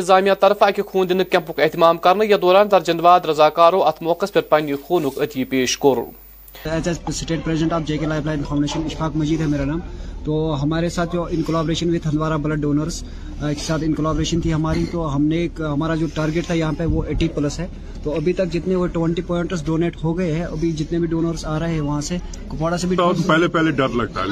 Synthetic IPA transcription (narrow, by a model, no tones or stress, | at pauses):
zaːmijat̪ɐɾfaːkixʰuːnd̪ɪnɨkːʲɐ̃mpukeht̪ɪmaːmkɐɾnjad̪oːɾaːnt̪ɐɾd͡ʒɐnʋaːd̪ɾɐzaːkaːɾoːɐt̪ʰmɔːkɐspʰɪɾpɐnixuːnukət̪ʰjipeːʃkoɾ̰ | ɛːzɛːzsɪʈẽːʈ̚pɾezɪɖẽɳʈaːp̚d͡ʒeːkelaːɪflaːɪnfʰaːʊ̃ɳɖeːʃənɪʃfaːkmɐziːd̪ɦɛmeːɾanaːmt̪oːɦɐmaːɾesaːt̪ʰd͡ʒoːʔɪnkolaːbɾeːʃənʋʱit̪ʰɐnd̪ʋaːɾabɐləʈ̚ɖoːnəɾs | kesaːt̪ʰɪnkolaːbɾeːʃənt̪ʰiɦɐmaːɾit̪oːɦɐmneːkɦɐmaːɾad͡ʒoːʈaːɾɡeʈ̚t̪ʰajɐɦãpɐɦʋoʔeːʈiːpɐləsɦɛː | t̪oːɐbʱit̪ɐk̚d͡ʒɪt̪neʋoʈʊʋə̃ɳʈipɔːɪ̃ɳʈs̬ɖoːneːʈhoɡɐeɦɛ̃ʔɐ̰bʱid͡ʒɪt̪nebʱiɖoːnəɾsaːɾɐɦeɦɛʋɐɦãse | kʊpaːɽasebʱiaot̪opɛɦlepɛɦleɖɐɾlɐɡ̚t̪aɦ